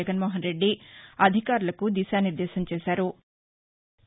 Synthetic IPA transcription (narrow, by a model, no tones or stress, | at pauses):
ɐɡɐnmoːɦɐnɾe̞ɖːiɐd̪ʱikaːɾulɐkud̪iːsaːniɾd̪eːʃɐmt͡ʃeːʃaːɾu